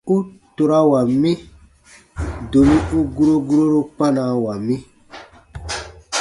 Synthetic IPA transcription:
u˦to˨ɾa˦wa˨mĩ˦ | do˨mĩ˦u˦ɡu˦ɾo˦ɡu˦ɾo˦ɾo˦pã˦na˨wa˨mĩ˦

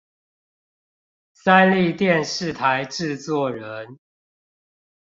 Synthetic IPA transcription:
sa˦nli˥˨t̪jɛ˥˨nʂɻ̩˥˨t̪ʰa˨˦ɪʈ͡ʂɻ̩˥˨t͡swɔ˥˨˩ɻə˨˦n

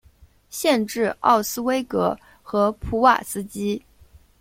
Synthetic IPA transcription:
ɕjɛ˥˧nʈ͡ʂɻ̩˥˧ɑ̰˥˩ʊsɹ̩˥we˥ɪkɤ˧˥ | xɤ˧˥pʰu˧˥wa̰˥˨˩sɹ̩˥t͡ɕi˥

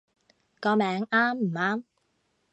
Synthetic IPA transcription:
kɔː˧mɛː˨˥ŋaː˥mm̩˨˩aː˥m

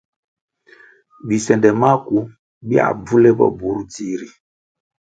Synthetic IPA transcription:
bi˨sɛ˨ndɛ˨ma˦ku˨ | bi˦a̰˨b͡vu˦le˦bɔ̰˨bu˨˦ɾu˦ti˦ɾi˨

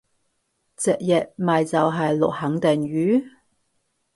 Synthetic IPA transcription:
t͡sɛ˨k̚jɐ˨t̚mɐ˨jt͡sɐ˨wɦɐ˨jlʊ˨k̚hɐ˨˥ŋt̪ɛ˨ŋɥyː˨˥

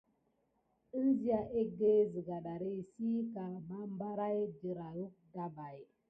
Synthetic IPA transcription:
i˦nzi˦a˨ʔe˦ɡe˦zi˨ɡa˨ɗa˨ɾi˦˨si˦ka˨ba˦mba˦ɾa˦jd͡ʒi˨ɾa˨ɾu˦k̚da˦ba˨j

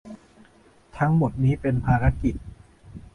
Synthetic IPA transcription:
t̪ʰa˦˥ŋmo˨˩t̪̚niː˦˥pe˧npʰaː˧ɾa˦˥ki˨˩t̪̚

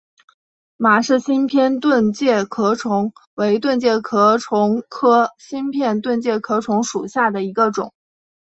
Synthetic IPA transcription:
ma˨˩ʂɻ̩˥˩ɕi˥npʰjɛ˥nt̪wə˥˧nt͡ɕjɛ˥˩kʰɤ˧˥ʈ͡ʂʰʊ˧˥ŋwe˧˥ɪt̪̬wə˥˧nt͡ɕjɛ˥˩kʰɤ˧˥ʈ͡ʂʰʊ˧˥ŋkʰɤ˥ɕi˥npʰjɛ˥˧nt̪wə˥˧nt͡ɕjɛ˥˩kʰɤ˧˥ʈ͡ʂʰʊ˧˥ŋʂu˨˩ɕja˥˩d̪ə˩i˧˥ɡə˧ʈ͡ʂʊ̰˨˩˦ŋ

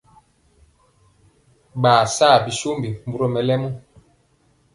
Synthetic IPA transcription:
ɓaː˨saː˦˨bi˨so˦mbi˨m̩˨bu˨ɾo˦˨mɛ˨lɛ˦mu˦

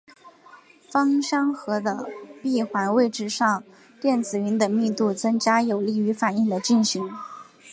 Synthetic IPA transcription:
fɑ˥ŋɕɑ˥ŋxɤ˧˥d̪ə˧pi˥˩xwa˧˥nwe˥˧ɪʈ͡ʂɻ̩˥˧ʂɑ˥˧ŋ | t̪jɛ˥˩nt͡sɹ̩˨˩y˧˥nd̪ə˧mi˥˧t̪u˥˩t͡sɤ˥ŋt͡ɕja˥jo˨˩ʊli˥˩y˧˥fa˨˩ni˥˩ŋd̪ə˩t͡ɕi˥˩nɕi˧˥ŋ

